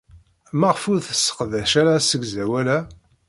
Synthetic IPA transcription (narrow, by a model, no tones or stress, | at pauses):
mæʁfuɾθə̥sːə̥qðæʃæɾasəɡzæwælæ